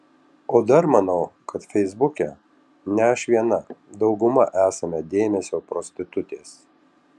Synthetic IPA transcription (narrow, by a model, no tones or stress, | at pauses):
oːd̪ɐɾmɐnɐʊkʰɐt̪fʲɛɪzbʊkʲɛ̰ | nʲɛɐʃʲʋʲiɛnɐd̪ɒʊɡʊmɐʔæːsɐmʲɛd̪ʲeːmʲɛsʲoːpɾɔsʲt̪ʲɪt̪ʊt̪ʲeːs